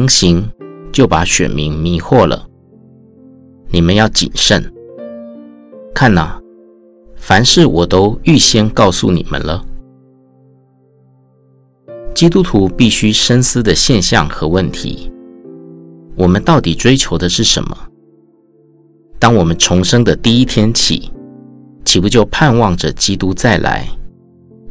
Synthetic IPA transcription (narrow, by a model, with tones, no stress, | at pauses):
ŋɕi˧˥ŋt͡ɕjo˥˩ʊpa˧˥ɕɥɛ̰˨˩nmḭ˧˥ŋmi˧˥xwɔ˥˩lə̰˩ | ni˨˩mə˧˦njɑ˥˩ʊt͡ɕḭ˨˩nʂə˥˩n | kʰa˥˩nə˨˩ | fa˧˥nʂɻ̩˥˩wʔɔ˨˩t̪o˥ʊy˥˩ɕjɛ˥nkɑ˥˧ʊsṵ˥˩nḭ˨˩mə̰˧˦nlə˦ | t͡ɕi˥t̪u˥t̪ʰu˧˥pi˥˩ɕy˥ʂə˥nsɹ̩˥d̪ə˨ɕjɛ˥˧nɕjɑ̰˥˩ŋxɤ˧˥wə˥˩nt̪ʰḭ˧˥ | wɔ˨˩mə˦nt̪ɑ˥˩ʊt̪i˨˩ʈ͡ʂwe˥ɪt͡ɕʰjo˧˥ʊd̪ə˨˧ʂɻ̩˥˩ʂə̰˧˥nmə˧ | t̪ɑ˥ŋwɔ˨˩mə˦nʈ͡ʂʰʊ˧˥ŋʂɤ˥ŋd̪ə˨t̪i˥˩i˥t̪ʰjɛ˥nt͡ɕʰḭ˨˩˦ | t͡ɕʰi˨˥pu˧˥t͡ɕjo˥˧ʊpʰa˥˧nwɑ˥˩ŋʈ͡ʂə˨t͡ɕi˥t̪u˦t͡sa˥˩ɪlʔa̰˧˥ɪ